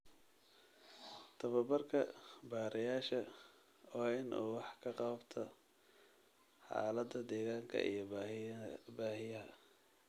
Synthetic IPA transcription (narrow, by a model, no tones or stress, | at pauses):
t̪ʰɐβɐbɐrkʰɐbaːɾʔɛjaːʃɐ | aːɪnʔṵːwɑħkʰɐqɑbt̪ʰɐ | ħɑ̰ːlɐd̪ɐd̪ɛːɣaːŋkʰɐ̰ʔḭjɞ | baːhɪjɐɦɐ̰